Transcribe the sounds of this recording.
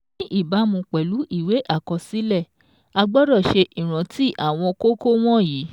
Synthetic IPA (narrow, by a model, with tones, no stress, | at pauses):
ʔi˦˨ba˨˦mũ˧k͡pɛ˨lu˨˦ʔi˦˨we˨˦ʔa˦˨kɔ˧si˦lɛ˦˨ | a˧ɡ͡bɔ˦ɾɔ˦˨ʃe˧ʔi˨ɾ̃ã˨˦tʰi˦ʔa˦˨w̃ɔ̃˧ko˦ko˦w̃ɔ̃˦ji˨˦